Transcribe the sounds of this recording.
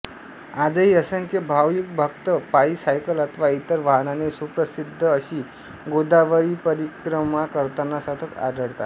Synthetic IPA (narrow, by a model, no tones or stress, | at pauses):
ad͡zəɦiːəsəŋkebʱawjik̚bʱək̚t̪əpaisajkəlat̪ʰʋait̪əɾʋaɦənanesupɾəsid̪ʱːəəɕiː | ɡod̪aʋəɾiːpəɾikɾəmakəɾt̪anːasət̪ʰət̪a̰d̪əɽt̪a̰t̪